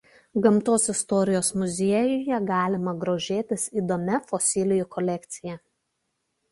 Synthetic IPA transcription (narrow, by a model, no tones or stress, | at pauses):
ɡɐmˑt̪oːsɪst̪ɔɾʲɪjoːsmʊzʲiɛjʊjɛɡɑːlʲɪmɐɡɾoːʒʲeːt̪ʲɪsiːd̪oːmʲɛfɔsʲɪlʲɪjʊkɔlʲɛkʲt̪sʲɪjɛ